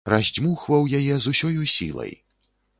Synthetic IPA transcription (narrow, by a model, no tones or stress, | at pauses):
razʲd͡zʲmuxvɐwjajɛzusʲɔjusʲḭlˠɐ̰j